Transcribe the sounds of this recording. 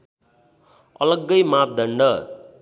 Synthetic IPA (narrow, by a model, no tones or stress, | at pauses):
ʌ̰lʌɡːʌjmap̚d̪ʱʌɳɖʌ